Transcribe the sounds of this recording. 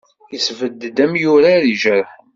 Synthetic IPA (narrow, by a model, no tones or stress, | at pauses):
jəsvəd̪d̪æmjʊɾaɾiʒəɾ